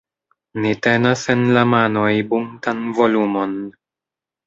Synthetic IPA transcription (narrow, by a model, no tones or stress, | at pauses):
nitenasenlamanojbuŋtanvolumon